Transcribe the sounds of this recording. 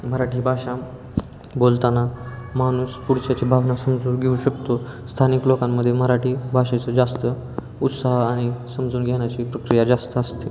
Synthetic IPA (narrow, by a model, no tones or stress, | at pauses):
məɾaʈʰiːbʱaɕa | bolt̪anamañuːspuɽt͡ɕat͡ɕibʱaʋnasəmd͡zuːnɡʱeuɕəkt̪ost̪ʰaniklokamːəd̪ʱːjeməɾaʈiːbʱaɕat͡səd͡zast̪ə | ut̪saɦaɽ̃isəmd͡zuːnɡʱeɳ̃jat͡ɕiːpɾəkɾijad͡zast̪əəst̪e